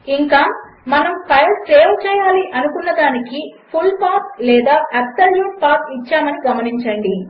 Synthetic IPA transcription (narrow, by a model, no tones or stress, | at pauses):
iŋkaːmɐnɐmpɐjɐleːwt͡ʃɛːjaːliʔɐnukunːɐd̪aːnikipʰulpaːɾt̚lɛːd̪aːʔɐpsɐljuːʈ̚paːɾpit͡ʃːaːmɐniɡɐmɐniɲt͡ʃɐɳɖi